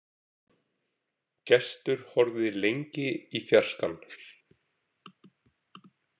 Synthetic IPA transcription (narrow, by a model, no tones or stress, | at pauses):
cɛst̪ʏɾ̥hɔɾðɪlejɲcɪifjar̥skal